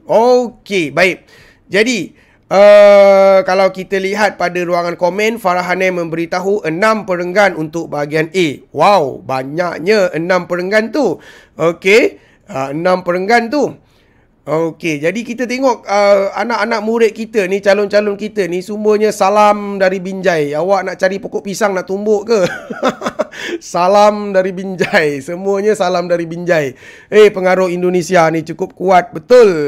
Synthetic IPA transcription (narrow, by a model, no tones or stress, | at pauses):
okebaɪk̚ | d͡ʒadi | ə | kalawkit̪əliɦat̪̚padəɾuaŋankomɛ̃nfaɾaɦanamə̃mbəɾit̪aɦuʔənãmpəɾəŋɡanunt̪ʊk̚baɦaɡianewawbaɲak̚ɲaənãmpəɾəŋɡant̪u | oke | əənãmpəɾəŋɡant̪u | oked͡ʒadikit̪ət̪eŋɔʔəa̰naʔanaʔmuɾɪt̪̚kit̪ənit͡ʃalʊnt͡ʃalʊnkit̪ənisumbəɲəsalamdaɾibiɲd͡ʒajawaʔnaʔt͡ʃaɾipokɔʔpisaŋnaʔt̪umbʊʔkə | salamdaɾibiɲd͡ʒajsəmuəɲəsalamdaɾibiɲd͡ʒaj | epəŋaɾʊhindonesianit͡ʃukʊp̚kuat̪̚bət̪ʊl